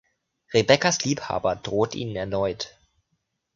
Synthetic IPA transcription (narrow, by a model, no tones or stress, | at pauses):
ʁebɛkɐsliːpha̰ːbɐdʁoːtʔḭːnənɛɐnɔʏt